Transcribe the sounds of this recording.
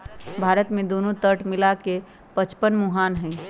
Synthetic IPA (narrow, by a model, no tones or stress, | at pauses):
bʱaɾət̪mẽd̪onot̪əʈmilake | pət͡ʃpənmuɦanɦə̃j